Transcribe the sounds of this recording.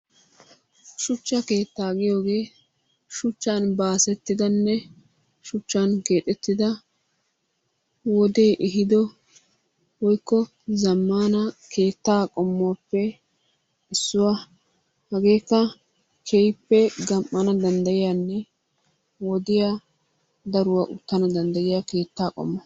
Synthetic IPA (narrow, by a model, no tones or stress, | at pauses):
ʃʊt͡ʃːɐke̞ːt̪ːaːɡɪjo̞ːɡe̞ː | ʃʊt͡ʃːanbaːsɛt̪ːɪd̪ɐnːɛ | ʃʊt͡ʃːanke̞ːt̪ʼːɛt̪ːɪd̪ɐ | wɔd̪e̞ːʔɪɦɪd̪ɔ | wɔjkːɔ | zɐmːaːnɐkʰe̞ːt̪ːaːkʼɔmːʊapːɛ | ɪsːʊwa | hɐɡe̞ːkːɐ | kʰɛjpːɛɡɐmʔːɐnɐd̪ɐnd̪ɐjɪjaːnːɛ | wɔd̪ɪja | d̪ɐɾʊwaːʔʊt̪ːɐnɐd̪ɐnd̪ɐjɪjake̞ːt̪ːaːkʼɔ̰mːɔ